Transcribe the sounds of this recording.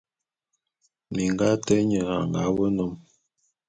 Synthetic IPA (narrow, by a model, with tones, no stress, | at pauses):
mi˨ŋɡa˦tə˦ɲə˨a̰˨ŋɡa̰˨˦wə˦nɔ˦m